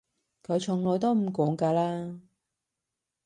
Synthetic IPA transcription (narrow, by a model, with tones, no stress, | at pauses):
kʰɵ˨˧ɥt͡ʃʰʊ˨˩ŋlɔː˨˧jt̪o˥wm̩˨˩kɔː˨˥ŋkaː˧laː˥